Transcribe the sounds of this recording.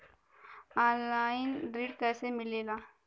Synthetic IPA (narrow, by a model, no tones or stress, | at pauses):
ɔːnlaːɪnɖɾiːɖkɛːsemɪleːlaː